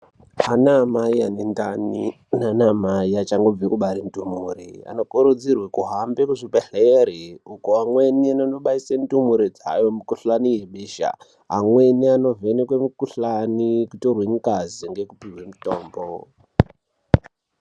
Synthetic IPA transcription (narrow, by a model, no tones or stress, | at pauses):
ɦanamaianindanḭ | nanamaiat͡ʃaŋɡo̞b͡vikuɓaɾim̩itumurḭa̰no̞kuɾud͡zirwekuɦambekuʐipeɬeɾiukuɦamwe̞niananoɓaisemtumuɾid͡za̰jomukuɬanijeɓeːʃa̰ | ɦamwe̞niano̞vʱenekwemukuɬanikutorweŋikaziŋɡe̞kupiwemuto̞ːmbo